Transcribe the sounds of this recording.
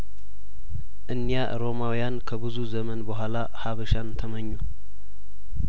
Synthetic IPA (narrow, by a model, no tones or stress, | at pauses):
ʔɨnːjaɾo̞mawjankʰəbɨzuzəmənbəɦʷala | haβəʃant̪ʰəməɲːu